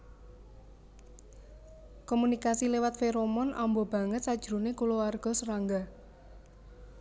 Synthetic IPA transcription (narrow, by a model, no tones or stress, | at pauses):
kɔmunikasilewat̪feɾomɔna̰mbɔbä̤ŋət̪̚sad̥ʒ̥ɾunekulowarɡ̥ɔ̤səɾaŋɡa